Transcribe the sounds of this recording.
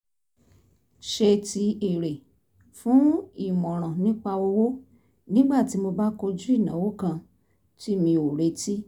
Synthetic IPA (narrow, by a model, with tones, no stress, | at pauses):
ʃe˧ti˧e˨ɾe˨ | fũ˨˦i˦˨mɔ̃˨ɾ̃ã˨nĩ˦k͡pa˧wo˧wo˦ | nĩ˦ɡ͡ba˦˨ti˨˦mo˧ba˦ko˧d͡ʒu˦i˦˨nã˨˦wo˦kã˧ | ti˦mĩ˧o˨ɾe˨˦ti˦